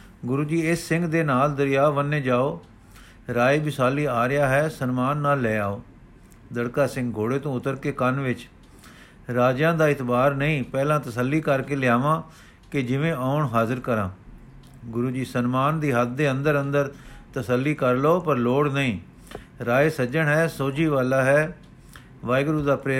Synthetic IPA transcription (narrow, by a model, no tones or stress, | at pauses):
ɡʊɾuːd͡ʒiːɪsːɪ̃ŋɡd̪eːnaːld̪əɾijaːʋənːeːd͡ʒaːoː | ɾaːebɪsaːliːaːɾɪjaːɦɛːsənmaːnːaːlːɛːaːoː | d̪əɽkaːsɪ̃ŋɡ̚ɡʱoːɽeːt̪õːʊt̪əɾkeːkənʋɪt͡ʃ | ɾaːd͡ʒãːd̪aːɪt̪baːɾnəĩːpɛːlãːt̪əsəlːiːkəɾkeːlɪjaːʋãː | kɪd͡ʒɪʋẽːʔaːʊɳɦaːzəɾkəɾãː | ɡʊɾuːd͡ʒiːsənmaːnd̪iːɦət̪̚d̪eːə̃nd̪əɾənd̪əɾt̪əsəlːiːkəɾloːpəɾloːɽnəĩː | ɾaːeːsəd͡ʒəɳɦɛːsoːd͡ʒiːʋaːlaːɦɛː | ʋaːɪɡɾuːd̪aːpɾeː